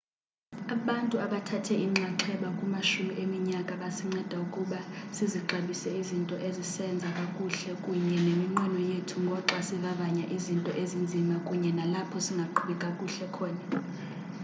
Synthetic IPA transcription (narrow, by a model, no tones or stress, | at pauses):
aɓantʼuaɓatʰatʰɛiŋ͡ǁaǁʰɛɓakʼumaʃumiʔemiɲakʼaɓasiŋ͡ǀɛd̥ʱaukʼuɓasiziǁaɓisɛizintʼɔʔezisɛnd͡zʱakʼakʼuɬɛkʼuɲɛnemiŋ͡ǃanɔjetʰuŋɡʱɔǁasivavaɲaʔizintʼɔʔezind͡zʱimakʼuɲɛnalapʰɔsiŋɡʱaǃʰuɓɛkʼakʼuɬɛkʰɔːna